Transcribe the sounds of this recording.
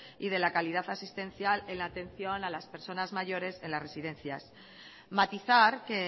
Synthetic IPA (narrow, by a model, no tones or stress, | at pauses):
iðe̞lakalið̞aθasist̪ẽ̞nθjale̞nlaːt̪ẽ̞n̟θjo̞nalaspe̞ɾso̞nazmaʝo̞ɾe̞se̞nlasre̞siðe̞nθjas | mat̪iθaɾke̞